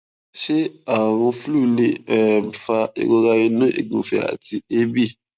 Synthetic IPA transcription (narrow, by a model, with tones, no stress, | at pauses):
ʃe˦a˨wɔ̃˧flu˦˨le˦ɛ˨fa˧ḛ˨ɡo˧ɡa˧ɾĩ˧nũ˦ʔḛ˨ɡũ˨fe˨a̰˨ti˧e˦bi˦˨